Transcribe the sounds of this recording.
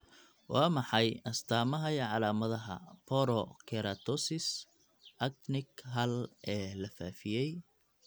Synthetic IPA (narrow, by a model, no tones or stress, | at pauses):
wɑːmɑħɑjɐst̪ʰaːmɐɦɐjʕɑlaːmɐðɐɦɐ̰pʰɔɾɔkʰɛɾɐt̪ʰɔsɪs | ʔɐk̚nɪɡɦɐlʔɛːlɐfaːfɪjɛj